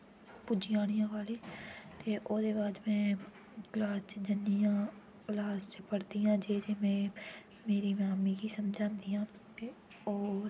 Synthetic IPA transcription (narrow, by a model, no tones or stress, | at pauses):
pʊd͡ʒɪjaːɽ̃ɪjãːkaːliːt̪eːʔoːd̪eːbaːd̪mɛ̃ː | ɡlaːst͡ʃd͡ʒənːijãː | laːst͡ʃpəɽd̪iːjãːd͡ʒeːd͡ʒemɛ̃ː | meːɾiːmaːmiːkiːsəmd͡ʒʱãːnd̪ijãːt̪eː | oː